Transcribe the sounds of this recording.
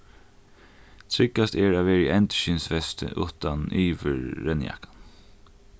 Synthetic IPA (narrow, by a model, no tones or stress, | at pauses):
t̪ʰɾɪkːast̪ɛɹaːʋɛːɾɪʔɛnt̪ʃɪnsʋɛst̪ə̰ʔʊ̰t̪anʔiːʋɪ̰ɾːɛnja̰kḁn